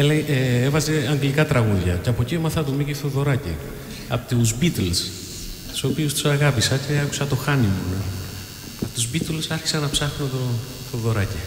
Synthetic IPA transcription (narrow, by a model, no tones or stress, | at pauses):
elejʔeevɐze̞ɐŋɡlikɐt̪ɾɐɣuðʝɐ̰ceɐpo̞ciomɐθɐt̪omikiθt̪oðo̞ɾɐcḭ | ɐ̰pt̪uzbit̪els | t̪i̥so̞piust̪u̥sɐɣɐpisɐce̞ɐku̥sɐt̪o̞xɐnimo | t̪uzbit̪lsɐɾçi̥sɐnɐpsɐxunet̪o | θoðo̞ɾɐci